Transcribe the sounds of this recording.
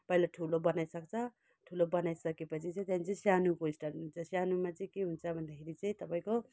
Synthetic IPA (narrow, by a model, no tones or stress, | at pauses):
pʌilaʈʰulobʌnajsʌk̚t͡sʰʌ | ʈʰulobʌnajsʌkepʌt͡sʰit͡sʌ̃t̪janit͡sʌ̃sjanukoisʈaɾunt͡sʰʌsjanumat͡sʌĩkeɦunt͡sʰʌbʱʌnd̪ʌkʰeɾit͡sʌĩt̪ʌpaĩko